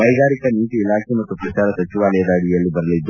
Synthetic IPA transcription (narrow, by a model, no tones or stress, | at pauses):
bɐjɡaːɾikɐniːt̪iːlaːkʰemɐt̪ːupɾɐt͡ʃaːɾɐsɐt͡ʃiʋaːlɐjɐd̪aːɽijɐlːibɐɾɐlid̪ːu